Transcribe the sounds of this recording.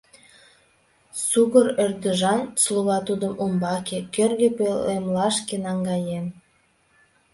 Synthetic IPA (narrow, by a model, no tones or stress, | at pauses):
suɣəɾørd̪əʒɑnslˠuɣɑt̪ud̪əmʔumbɑkekørɣepelemlɑʃkenɑŋɡɑjen